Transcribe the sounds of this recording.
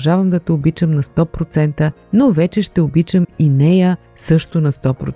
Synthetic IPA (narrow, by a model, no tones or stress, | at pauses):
ʒavəmd̪ɐt̪ɛobit͡ʃəmnɐst̪ɔpɾot̪sɛnt̪ə | novɛt͡ʃɛʃt̪ɛobit͡ʃəminɛjə | sɤʃt̪ʊnɐst̪ɔpɾo̰